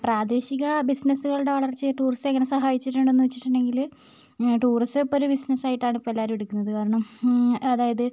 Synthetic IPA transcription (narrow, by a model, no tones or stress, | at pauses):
praːd̪e̞ːɕiɣɐbisnɐsuɣɐɭɨɽeʋɐɭɐrt͡ɕːɨʈuːristeŋːɐne̞sɐɦaːjit͡ɕːiʈːuɳɖenːuʋet͡ɕːiʈːɨɳɖe̞ŋɡil | ʈuːristɨpːoɾubisnɐsaːjiʈːaːɳipːoelːaːɾmeɽukʲːunːɐðɨkaːɾɐɳɐmɐðaːjɐðɨ